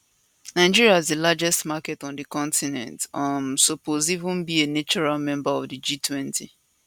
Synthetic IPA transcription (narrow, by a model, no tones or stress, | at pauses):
naɪd͡ʒiɹiaɪzdəlad͡ʒɛstmakɛtɔ̃n̩dəkɔ̃ntinɛ̰̃ntãmsopozivʊ̃nbienet͡ʃɔɹalmɛ̃mbaɔvdɨd͡ʒitʰwɛ̃ntʰi